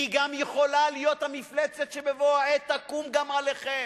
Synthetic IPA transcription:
iɡamjeχo̞lalijo̞t̪hamiflet͡set̪ʃebevoaet̪ːakumɡamaleχem

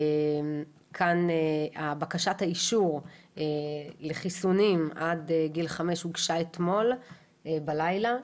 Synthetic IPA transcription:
em | kʰaneabakaʃathaiʃuʁeleχisunimadeɡilχameʃhuɡʃaet̪mo̞l | balajla

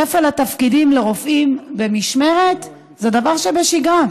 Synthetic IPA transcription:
efelat̪afkidimleʁofʔimbe̞miʃme̞ʁet̪ | zed̪avaʁʃebeʃiɡan

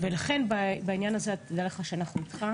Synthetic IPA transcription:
velaχe̞nbabainjanazeat̪ʰːid̪ale̞χaʃeanaχnuit̪χa

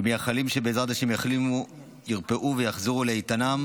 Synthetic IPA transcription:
miaχalimʃe̞beːzʁad̪aʃemjaχlimu | jiʁpeʔuvejaχziʁuleit̪anam

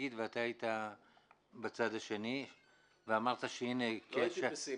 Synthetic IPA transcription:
id̪veat̪aːit̪a | bat͡sad̪aʃe̞ni | veamaʁt̪aʃeinekeʃe

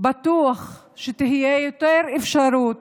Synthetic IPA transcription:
bat̪uaχ | ʃet̪iɦijejot̪eɾefʃaɾut̪

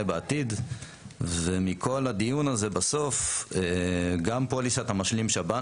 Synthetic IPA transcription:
ebeat̪id | vemikʰo̞lad̪ijunaze̞baso̞feɡampolisat̪amaʃlimʃaba

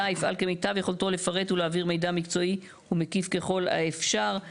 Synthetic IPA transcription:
aifa̰lkemejt̪avjeχolto̞le̞faʁe̞tuleaːviʁme̞jd̪amikt͡so̞i | humekifke̞χo̞la̰efʃaʁ

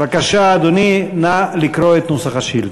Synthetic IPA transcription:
vakaʃaːd̪oninalikɾoet̪nosaχaʃil

